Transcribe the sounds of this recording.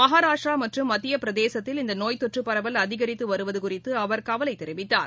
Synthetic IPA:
mɐɦaːɾaːʂʈraːmɐʈrɯmːɐt̪ːɪjɐpɪɾɐðeːsɐt̪ːɪlɪnd̪ɐnoːjt̪ɔʈrɯpːɐɾɐʋɐlɐðɪɣɐɾɪt̪ːɯʋɐɾɯʋɐðɯkʊrɪt̪ːɯɐʋɐɾkɐʋɐlɐɪt̪ːɛɾɪʋɪt̪ːa̰ːɾ

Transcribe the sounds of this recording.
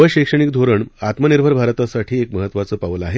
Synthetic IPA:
əɕekʂəɳ̃ikd̪ʱoɾəɳat̪məniɾbʱəɾbʱaɾt̪asaʈʰiːekməɦət̪ːʋat͡səːpaʋəlaɦe

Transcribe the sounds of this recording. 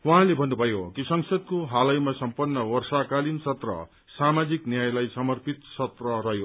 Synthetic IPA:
waɦãlebʱʌnːubʱʌjokisʌŋsʌd̪̚koɦalʌjmasʌmpʌnːʌwʌrsakalinsʌt̪rʌ̰ | samad͡ziknjajlajsʌmʌrpit̪sʌt̪rʌrʌɦjo

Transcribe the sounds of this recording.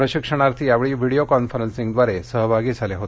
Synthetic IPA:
ɾəɕikʂəɽ̃aɾt̪ʰiːjaʋɭiːʋiɽijokɔnfəɾənsĩŋɡd̪ʋaɾesəɦbʱaɡiːd͡zʱaleɦot̪e

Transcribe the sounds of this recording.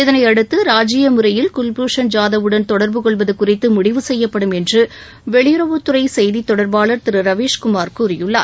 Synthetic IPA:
ɪðɐnɐɪɐɽɯt̪ːɯɾaːd͡ʒɪjɐmɯɾɐjɪlkʊlbuːʂɐnd͡ʒaːðɐʋɯɽɐnt̪ɔɽɐɾbɯkɔɭbɐðɯkʊrɪt̪ːɯmʊɽɪʋɯsɛjːɐpːɐɽɯmɛndrɯ | ʋɛɭɪjɾɐʋɯt̪ːɯɾɐɪsɛjðit̪ːɔɽɐɾbaːɭɐɾt̪ɪɾɯɾɐʋeːʂkʊmaːɾkɯʊɾɪjɯɭːa̰ːɾ

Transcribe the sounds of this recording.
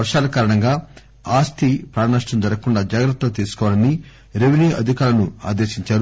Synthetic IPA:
ɐɾʂaːlɐkaːɾɐɳɐŋɡaː | aːst̪ʰipɾaːnaːʂʈɐnd̪ɐɾɐkuɳɖaːd͡ʒaːɡɾɐt̪ːɐt̪iːsu̥kɔːʋalɐni | ɾeʋiniːʔɐ̰d̪ʱikaːlɐnua̰ːd̪eːʃiɲt͡ʃaːɾu

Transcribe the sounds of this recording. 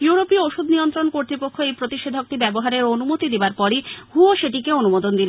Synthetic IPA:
juɾopioʃud̪nijont̪ɾonkoɾt̪ɾipokʰːoejpɾot̪iʃed̪ʱok̚t̪ibɛboɦaɾeɾonumot̪id̪ebaɾpɔɾihuoʃeʈikeonumod̪ond̪ile

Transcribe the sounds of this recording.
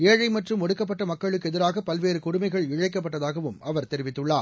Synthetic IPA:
eːɻɐɪmɐʈrɯmɔɽɯkːɐp̬ːɐʈːɐmɐkːɐɭɯk̬ːɛðɪɾaːɣɐpɐlʋeːɾɯkʊɽʊmɐɪɣɐɭɪɻɐɪkːɐp̬ːɐʈːɐðaːɣɐʋɯmɐʋɐɾt̪ɛɾɪʋɪt̪ːɯɭːaː

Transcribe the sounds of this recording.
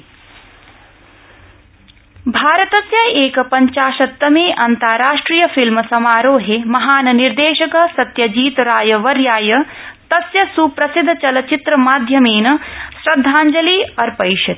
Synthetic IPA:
bʱaːɾɐt̪ɐsjɐeːkɐpɐɲt͡ʃaːʃɐt̪ːɐmeːʔɐnt̪aːɾaːʂʈɾiːjɐfilmɐsɐmaːɾoːɦemɐɦaːnɐniɾd̪eːʃɐkɐsɐt̪jɐd͡ʒiːt̪ɾaːjɐʋɐɾjaːjɐ | t̪ɐsjɐsupɾɐsid̪ʱːt͡ʃɐlɐt͡ʃit̪ɾɐmaːd̪ʱjɐmeːnɐsɾɐd̪ʱːaːɲd͡ʒɐliːɐɾpɐjʃɐt̪

